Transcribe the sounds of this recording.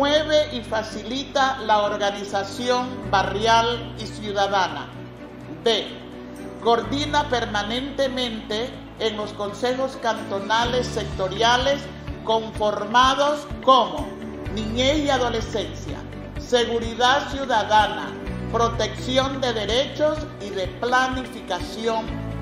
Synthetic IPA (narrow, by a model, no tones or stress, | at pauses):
weβeʔifasilit̪alaoɾɣanisasjo̞mbarjalisjuðaðana̰ | d̪e | koɾðinapeɾmanẽnt̪emẽnt̪eː | ŋlo̞sko̞nsexoskant̪o̞nale̞sːek̚t̪o̞ɾjales | koɱfoɾmaðoskomo | nĩɲeiaðolesensja̰ | seɣuɾiðasjuðaðana̰ | pɾot̪eksjond̪eðeɾet͡ʃos | iðeplanifikasjoŋ